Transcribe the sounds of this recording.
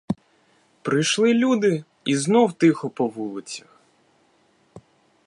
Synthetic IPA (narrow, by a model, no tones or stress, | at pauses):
pɾɪjʃlˠɪlʲud̪ɪ | iznɔwt̪ɪxɔpɔʋulˠɪt͡sʲɐ̥x